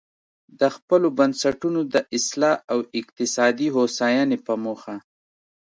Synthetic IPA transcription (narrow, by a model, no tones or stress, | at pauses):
d̪əxpəlobansaʈunod̪əʔɪslɑʔawɪq̚t̪ɪsɑd̪iɦosɑjɑnepəmoxa